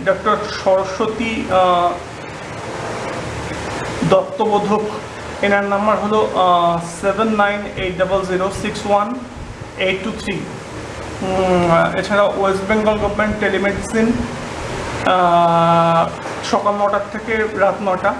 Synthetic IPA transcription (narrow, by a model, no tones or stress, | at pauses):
ɖɔkʈoɾʃɔɾoʃot̪i | d̪ɔp̚t̪ːobod̪ʱok | enaɾnambaɾɦolosebenːajneʈ̚ɖabelziɾosikswan | eʈːut̪ʰɾi | ḛt͡ɕʰaɾaʔoes̬beŋɡolɡobmeɳʈʈːelimeɖisin | ʃɔkalnɔʈat̪ʰːekeɾat̪nɔʈa